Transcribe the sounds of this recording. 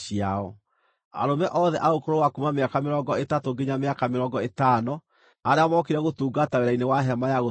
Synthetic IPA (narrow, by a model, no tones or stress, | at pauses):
iaɔ | a̰ɾomɛʔɔðɛʔaokoɾowakumameakameɾɔŋɡɔetatoɡeɲameakameɾɔŋɡɔetanɔ | aɾeamɔkeɾaɣotuːɡataweɾainewaɦɛmajaɣo